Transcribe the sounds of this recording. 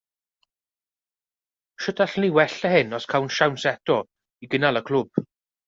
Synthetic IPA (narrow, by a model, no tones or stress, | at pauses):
ʃədaɬniwɛɬəhɪnɔskʰawnʃawnsɛtɔ | iɡənalˠəkʰl̥ˠʊb̥̚